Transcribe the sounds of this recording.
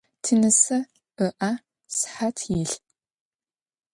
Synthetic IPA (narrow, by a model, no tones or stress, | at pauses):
tʰɨnɨsɐ | ɨʔa | sħatʰjɪɬ